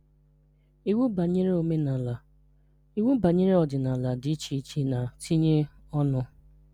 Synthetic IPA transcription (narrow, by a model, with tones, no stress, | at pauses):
i˦wu˦ba˨ɲi˦ɾe˦o˨me˦na˨la˨ | i˦wu˦ba˨ɲi˦ɾe˦ɔ˨dɪ˨na˨la˨dɪ˨˦t͡ʃi˦t͡ʃi˦na˨ti˦ɲe˦ | ɔ˦nʊ˦